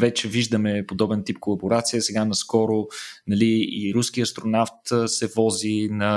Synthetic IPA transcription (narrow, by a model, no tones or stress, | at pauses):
vɛt͡ʃɛviʒd̪əmɛpod̪ɔbɛnt̪ip̚kolˠɐboɾat̪sijəsɛɡanɐskɔɾonɐliiɾuskiɐst̪ɾonaft̪sɛvɔzinɐ